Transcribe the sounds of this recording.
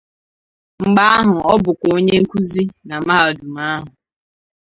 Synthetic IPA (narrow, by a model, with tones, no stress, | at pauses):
ŋ͡m̩˨ɡ͡ba˦a˦ɦʊ˨ɔ˦bʊ˨kʷo˦ɲe˦ŋ̩˦kʷu˦zi˦na˨˦ma˦ɦa˨o˨du˨ma˦ɦʊ˨